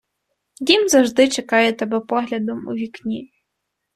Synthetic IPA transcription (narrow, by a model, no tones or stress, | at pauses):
d̪ʲimzɐwʒd̪ɪt͡ʃekɑjɛt̪ɐbɛpɔɦlʲɐd̪ɔmṵʋʲiknʲi